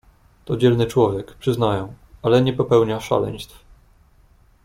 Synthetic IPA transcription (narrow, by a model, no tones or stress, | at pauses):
t̪ɔd͡ʑɛlnɘt͡ʂwɔvʲjɛkpʂɘznajɛ̃w | alɛɲɛpɔpɛwɲaʂa̰lɛ̰ɲ̃st̪f